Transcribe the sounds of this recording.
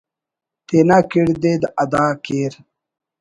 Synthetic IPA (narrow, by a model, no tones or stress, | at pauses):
t̪eːnakiɽd̪ed̪ɐd̪aːkeːɾ